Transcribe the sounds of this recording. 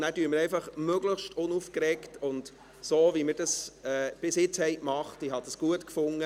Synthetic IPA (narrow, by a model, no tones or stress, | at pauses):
næːdyːməɾɛɪfɑχmøɡləχʃtʊnufkɾɛktʊnd | soːvimɪːɾd̥ɑsɛːb̥ɪsjɪt͡shɛɪkmɑχtiɦɑdəsɡ̥uətkfʊŋːə